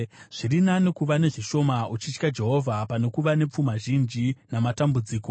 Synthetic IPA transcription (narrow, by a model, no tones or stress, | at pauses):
ʐ̥iɾinanekuʋane̞ʐiʃo̞maut͡ʃit͡ʃkad͡ʒe̞ɦo̞vʱapane̞kuʋane̞p͡fumaʒind͡ʒinamatambud͡ziːko̞